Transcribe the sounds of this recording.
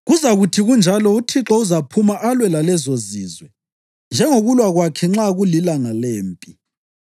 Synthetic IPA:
ɣuzaɣutʰiɣund͡ʒʱalɔutʰiǁɔuzapʰumaʔalwɛlalɛzoziːzwɛ | nd͡ʒʱɛŋoɣulwaɣwakʰɛŋ͡ǁaɣulilaŋaleːmpʼi

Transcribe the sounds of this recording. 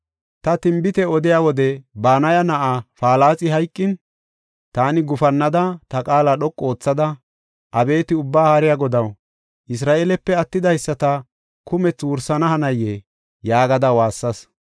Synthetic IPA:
t̪ɐt̪ɪmbɪt̪ɛɔd̪ɪjaːwɔd̪ɛbaːnɐjɐnɐʔafaːlaːt͡sʼɪɦɐjkʼːɪn | t̪aːnɪɡʊfɐnːɐd̪ɐt̪ɐkʼaːlɐɗɔkʼːo̞ːt͡sːɐd̪ɐ | ʔɐbe̞ːt̪ɪʊbːaːhaɾɪjaːɡɔd̪ɐw | ʔɪs̬ɾaːʔeːlɛpːɛɐt̪ːɪd̪ɐjsːɐt̪ɐ | kʊmɛt͡swʊɾsɐnɐhɐnɐjːe | jaːɡɐd̪ɐwaːsːɐs

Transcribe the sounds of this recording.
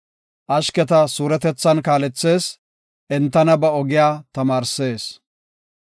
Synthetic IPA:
ʔɐʃkɛt̪ɐsuːɾɛt̪ɛt͡sːɐnkaːlɛt͡sːe̞ːs | ʔɛnt̪ːɐnɐbɐɔɡɪjaːt̪ɐmaːɾse̞ːs

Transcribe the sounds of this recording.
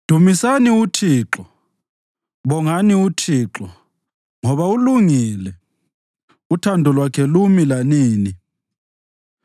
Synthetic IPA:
d̥ʱumisaniutʰiːǁɔ | βɔŋaniutʰiːǁɔ | ŋɔβauluŋilɛ | utʰandʱɔlwakʰɛlumilaniːni

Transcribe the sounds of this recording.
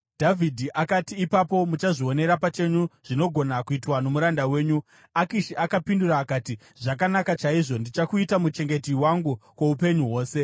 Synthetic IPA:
d̥ʱavʱidʱiʔakatiːpapo̞mut͡ʃaʐio̞ne̞ɾapat͡ʃe̞ɲuʐ̥ino̞ɡʱo̞nakuitwano̞muɾandawe̞ːɲu | akiʃiʔakapinduraːkati | ʐakanakat͡ʃaiʐo̞ndit͡ʃakuitamut͡ʃe̞ŋɡe̞tiwaŋɡukweupe̞ɲuɦwo̞ːse̞

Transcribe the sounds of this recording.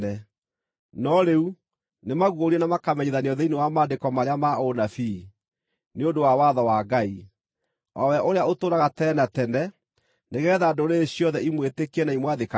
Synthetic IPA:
ɛ | nɔɾeu | nemaɣwoɾiɛnamakamɛɲeðaneɔðeinewamaːdekɔmaɾeamaonafi | neondowawaðɔwaɡai | ɔwɛʔoɾeaotoːɾaɣatɛnatɛnɛ | neɣɛːðaːdoɾeːɕjɔðɛimwetekiɛnaimwaðeka

